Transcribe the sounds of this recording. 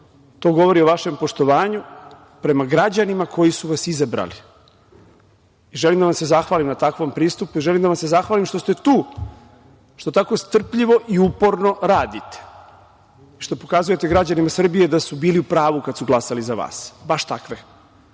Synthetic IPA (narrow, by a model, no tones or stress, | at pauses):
t̪o̞ːɡo̞ʋo̞ɾioʋaʃe̞mpo̞ʃt̪o̞ʋaːɲu | pɾe̞maɡɾad͡ʑanimakʰo̞jisuʋasizabɾa̰li | iʒelimd̪aʋamse̞zaxʋaːlimnat̪akʋo̞mpɾiːst̪upuiʒelimd̪aʋamse̞zaxʋaːlimʃt̪o̞st̪e̞t̪uː | ʃt̪o̞t̪ako̞st̪r̩pʎiʋo̞ʔiupo̞ɾno̞ɾaːd̪it̪e̥ | iʃt̪o̞pokazuje̞t̪e̞ɡɾad͡ʑanimasr̩bije̞d̪asubiːliupɾaːʋukad̪suɡlˠasalizaʋa̰ːsbaʃt̪akʋe